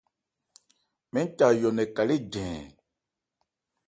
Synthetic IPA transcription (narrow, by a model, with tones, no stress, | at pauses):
mɛ̃˦n˦ta˨jɔ˨nɛ̃˨ka˨le˦ɟɛ̃ː˨